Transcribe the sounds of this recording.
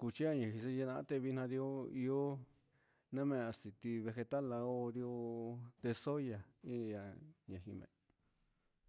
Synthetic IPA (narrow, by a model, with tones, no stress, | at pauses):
ku˧t͡ʃi˦a˦˧ɲã˨ɦĩ˧s̬e˦˧e˧nã˧˦t̪e˧βi˧˦˧nã˧ɾi˧o˦i˧o˦ | nẽ˦mẽ˧a˧si˨t̪i˧βe˧xe˧t̪a˦la˧o˧ɾi˧o˧t̪e˧so˦ja˨ĩ˦˧ja˧ɲã˨hĩ˧mḛ̃˧